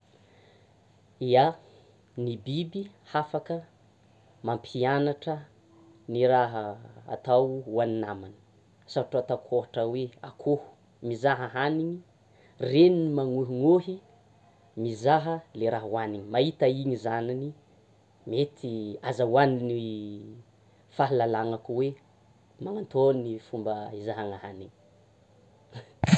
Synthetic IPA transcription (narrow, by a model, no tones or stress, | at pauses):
ia | nibibi | hafakə | mampʰianaʈ͡ʂə | niɾaɦəa̰t̪awuaninamani̥ | saʈ͡ʂat̪akʰoɦaʈ͡ʂəwea̰kʰohu̥ | mizaɦəɦaniɲi | reninimaŋuɦiŋoɦi | mizaɦəleɾaɦwaniɲimait̪aiɲizanini | met̪ʰiazawanini | faɦilalaŋakuwe | maŋant̪onifumbəizaɦaŋaɦaniɲ